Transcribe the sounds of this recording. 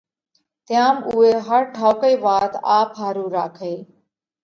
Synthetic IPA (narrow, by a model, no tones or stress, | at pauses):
t̪ɪjaːmuːeːɦəɾʈʰaːʊkəiːʋaːt̪aːpɦaːɾuːɾaːkʰeː